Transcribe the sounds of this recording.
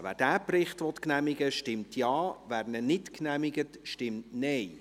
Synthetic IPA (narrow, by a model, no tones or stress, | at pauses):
ʋæ̰ːd̥æːprɪχtʋɔt̪knæmɪɡəʃtɪmtʰjɑːʋæːɾnənɪtknæmɪɡətʃtɪmtnɛj